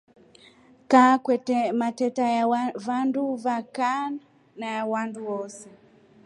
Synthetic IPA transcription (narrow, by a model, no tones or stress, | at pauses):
kakwɛtɛmatɛtajavanduvakan | najawanduwɔsɛ